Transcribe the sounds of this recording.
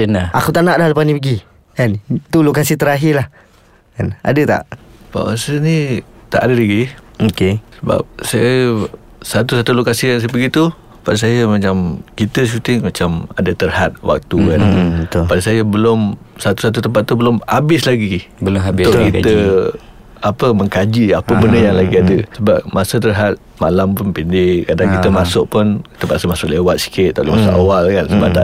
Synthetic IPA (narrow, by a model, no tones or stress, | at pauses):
ənaakut̪aʔnaʔlahləpasnĩpəɡi | kant̪ulokasit̪əɾaɦɪlah | kana̰dət̪a̰ʔpa̰wasənit̪a̰ʔadəlaɡiokesəba̰p̚sajə | sat̪usat̪ulokasikans̬p̬əɡit̪u | padas̬ajəmat͡ʃamkit̪əʃ̬ut̪ɪŋmat͡ʃamadət̪ərhat̪̚wʔa̰k̚t̪ukanət̪padasajəbəlʊmsat̪usat̪̬ut̪əmpat̪̚ːubəlʊmhabɪslaɡiɪəlnt̪ʊkit̪ə | apəməŋkad͡ʒiapəbəndəjaŋlaɡiadəsəbap̚masət̪̬ərɦat̪̚ | malampʊnpindɪkadaŋkit̪əmasʊʔ̚pʊnit̪əmpat̪səmasʊʔlewat̪̚si̥kɪt̪̚ːalɪmasaʔa̰walkansəba̰pt̪a̰ʔ